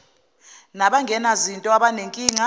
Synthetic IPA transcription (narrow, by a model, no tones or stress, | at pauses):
naɓaŋɡʱɛnazintʼɔaɓaneŋkʼiːŋa